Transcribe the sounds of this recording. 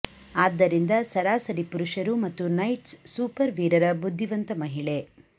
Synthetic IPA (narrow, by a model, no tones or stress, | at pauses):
aːd̪ːɐɾind̪ɐsɐɾaːsɐɾipuɾuʃɐɾumɐt̪ːunɐjʈsːuːpɐɾʋiːɾɐɾɐbud̪ʱːiʋɐnt̪ɐmɐɦiɭe̞